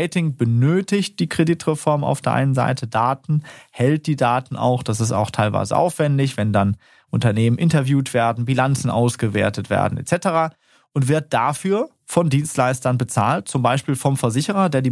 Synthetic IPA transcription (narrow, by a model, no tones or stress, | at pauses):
ɪtɪŋbənøːtɪçt̚d̥iːkʁ̥editʁ̥ɛfɔɐmʔa̰ʊfd̥eːɐʔa̰ɪnənza̰ɪtʰədaːtn̩hɛlt̚d̥iːdaːtn̩ʔa̰ʊxd̥asɪsta̰ʊxtʰaɪlva̰ɪzə̰ʔa̰ʊfv̥ɛndɪçv̥ɛndan | ʔʊntɐneːmənʔɪntɐvjuːtv̥eːɐdn̩bilant͡sn̩ʔa̰ʊsɡ̥əvḛːɐtətv̥ḛːɐdn̩ḛtt͡sɛtəʁaː | ʔʊntv̥ɪɐt̚d̥afyːɐ | fɔndiːnstlaɪstɐnbət͡sa̰ːlt̚t͡sʊmbaɪʃpiːlfɔmfɛɐzɪçəʁ̞ɐdeːɐdiː